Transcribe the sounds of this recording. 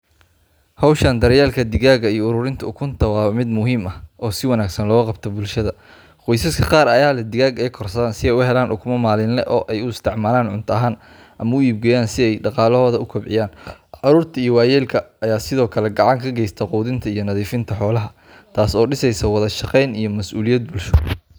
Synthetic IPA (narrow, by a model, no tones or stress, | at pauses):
hɔwʃɐnd̪ɐɾɛjaːlkʰɐd̪ɪɣaːɣɐijɔʊɾʊːɾɪnt̪ʰɐʊkʰʊnt̪ʰɐwɑːmɪd̪mʊɦiːmɐʔɔːsɪwɑnaːɡsɐnlɔːɣqɑb̚t̪ʰɔbʊlʃɐðɐ | qɔjsɐskʰɐqɑːɾɐjaːlɛd̪ɪɣaːɡɛjkʰɔrsɐðaːnsɪɛjʊhɛlaːnʔʊkʰʊmɐmaːlɪnlɛ̰ʔɔːʔɛjʊɪst̪ʰɪʕmaːlaːnʕʊnt̪ʰɐɐɦaːn | ʔɐmɐʊiːb̚ɡɛjaːnsɪɛjɖɑqɑːlɔhɔːðɐʊkʰɐbʕɪ̰jaːnʕʊɾuːrt̪ʰɐijɔwɑːjɛːlkʰɐːjaːsɪðɔːkʰɐlɛɡɑʕɑŋkʰɐɡɛjst̪ʰɐquːðɪnt̪ʰɐijɞnɐðiːfɪnt̪ʰɐħɔːlɐɦɐ | t̪ʰaːsɔːɖɪsɛjsɐwɑðɐʃɑqɛjnijɔmɐsuːlɪjɐd̪̚bʊlʃɔ